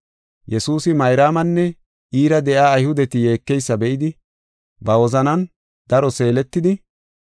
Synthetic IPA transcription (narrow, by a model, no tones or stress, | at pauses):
jɛsuːsɪmɐjɾaːmɐnːɛ | ʔiːɾɐd̪ɛʔaːjhʊd̪ɛt̪ɪje̞ːkːɛjsːɐbɛʔɪd̪ɪ | bɐwɔzɐnɐn | d̪̥ɐɾɔse̞ːlɛt̪ːɪd̪ɪ